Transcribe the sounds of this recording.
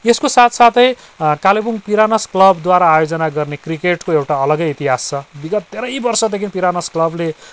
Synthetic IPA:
eskosat̪ʰsat̪ʰʌj | kalebuŋpiɾanʌsklʌbd̪waɾaːjod͡zʌnaɡʌrnekrikeʈkoewʈaʌlʌɡʌjːt̪iɦast͡sʰʌbiɡʌt̪̚t̪eɾʌjbʌrsʌd̪ekʰinpiɾanʌsklʌble

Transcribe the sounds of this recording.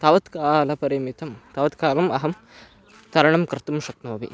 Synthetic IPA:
t̪ɐʋɐt̪kaːlɐpɐɾimit̪ɐmt̪ɐʋɐt̪kaːlɐmɐɦɐm | t̪ɐɾɐɳɐmkɾɨt̪umʃɐknoːʋḭ

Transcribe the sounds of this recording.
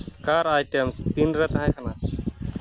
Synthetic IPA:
kaɾajʈemst̪inɾɛt̪ɦãkʰɐna

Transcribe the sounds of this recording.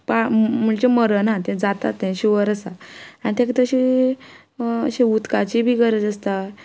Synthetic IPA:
pam̤uɳt͡ɕeməɾənat̪ẽd͡zat̪a̰t̪ːẽɕiʋəɾəsaanit̪ẽkət̪əɕi | ə̰ɕẽut̪kat͡ɕibʱiːkəɾəd͡zəst̪a

